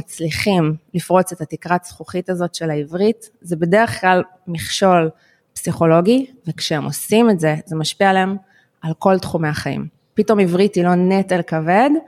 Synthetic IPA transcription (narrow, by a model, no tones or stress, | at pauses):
mat͡sliχimlifʁo̞t͡setatikʁat͡sχuχitazo̞tʃe̞laivʁit | zebe̞deʁeχklal | miχʃo̞l | psiχo̞lo̞ɡivekʃeemo̞simetze̞zemaʃpialaem | alko̞ltχume̞aχaḭm | pito̞mivʁitilo̞netelkave̞d